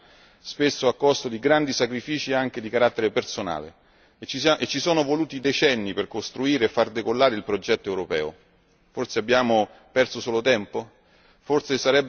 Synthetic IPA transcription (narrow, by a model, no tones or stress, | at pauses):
spesːoakːɔst̪od̪iɡɾand̪isakɾifiːt͡ʃieaŋk̟ed̪ikaɾat̪ːeɾepersona̰ːlḛ | t͡ʃisaʔet͡ʃːisɔːnovoluːt̪id̪et͡ʃɛnːiperkost̪ɾuiːɾeːfːard̪ekolːaːɾeilpɾod͡ʒɛt̪ːoewɾopɛ̰ːo̰ | forseabːjaːmo | pɛrsosoːlot̪ɛmpo | fort̪sesaɾɛbː